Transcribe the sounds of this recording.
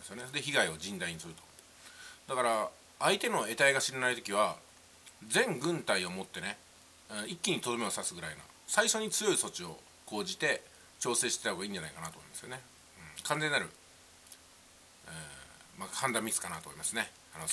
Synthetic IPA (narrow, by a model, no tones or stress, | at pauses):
esɨjo̞ne̞sod̪eçiɡaio̞d͡ʑĩnd̪aiɲ̟isɨɾɯ̟t̪o̞ | d̪akaɾa | ait̪e̞no̞e̞t̪aiɡaɕiɾenait̪o̞kʲiβ̞a | d͡zẽ̞ŋɡɯ̟̃nt̪aio̞mo̞t̪ːe̞nẽ̞ | ikʲːiɲ̟it̪o̞d̪o̞me̞osasɨɡɯɾaino̰ | saiɕo̞ɲ̟it͡sɨjo̞iso̞t͡ɕio̞ | ko̞ːʑit̪e̞ | t͡ɕo̞ːse̞ːɕi̥t̪et̪ahoɡaiːɲ̟d͡ʑanaikanat̪oːmoimasɨjone | ɯ̟̃kãnd͡ze̞ɲːnaɾɯ̟ | mahãnd̪amʲisɨ̥kanat̪omimasɨne̞ | ano